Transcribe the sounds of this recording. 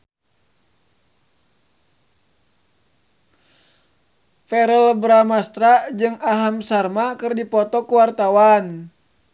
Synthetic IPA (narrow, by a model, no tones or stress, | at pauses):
fɛɾəlbɾamast̪ɾad͡ʒɨŋaɦamsarmakɨrdipɔt̪ɔkuwart̪awan